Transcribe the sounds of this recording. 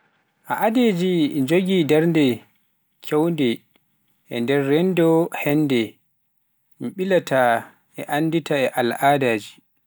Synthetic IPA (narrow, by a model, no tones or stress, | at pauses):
ʔaʔaded͡ʒid͡ʒoɡidɛɾndɛ | kʰɛwndɛ | ʔɛ̰ndɛrːɛndɔhɛnːdɛ | miɓilatʰa | ɛʔanditaɛʔalaːdaːd͡ʒi